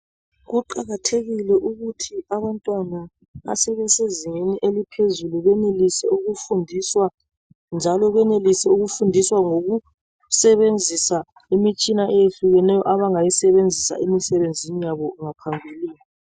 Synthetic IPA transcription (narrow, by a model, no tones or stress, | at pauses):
ɣuǃaɣatʰeɣilɛʔuɣutʰiaβantʼwana | a̰sɛβɛseziŋeniʔelipʰezuluɣɛnelisɛuɣufundʱiswa | nd͡ʒʱalɔɣwɛnelisɛuɣufundʱiswaŋoɣu | sɛβend͡zʱisa | imit͡ʃʼinaʔɛjeɬuɣɛnɛjɔʔaβaŋajisɛβend͡zʱisa̰ʔemisɛβend͡zʱinijaβɔŋapʰambʱiliːni